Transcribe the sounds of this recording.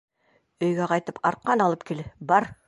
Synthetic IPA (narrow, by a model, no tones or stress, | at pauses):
ɵ̆jɡʲæqɑjt̪əpɑɾqːɑnɑlˠəp̚kʲʰelɘbɑɾ